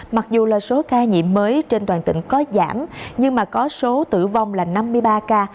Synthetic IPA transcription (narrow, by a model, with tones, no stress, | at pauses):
ma˨˩k̚zu˨˩laː˨˩so˨˦kaː˧ɲḭ˧˨əmːəː˨˦jt͡ɕe˧nt̪waː˨˩nt̪ḭ˧˨ŋ̟kɔ˨˦za̰ː˧˩mɲɨ˧ŋmaː˨˩kɔ˨˦so˨˦t̪ɨ̰˧˩va˧wŋ͡mlaː˨˩na˧mːɨ˧əjɓaː˧kaː˧